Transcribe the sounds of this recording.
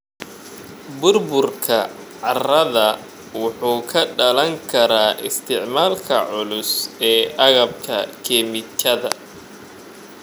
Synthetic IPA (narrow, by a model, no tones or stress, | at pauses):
bʊrbʊrkʰɐ | ʕɑrɐðɐ | wʊħuːkʰɐɖɐlɐŋkʰɐɾaːʔɪ̰st̪ʰɪʕmaːlkʰɐ̰ʕʊlʊsɛːʔɑɣɐbkʰɐkʰɛːmɪt͡ʃʰɐðɐ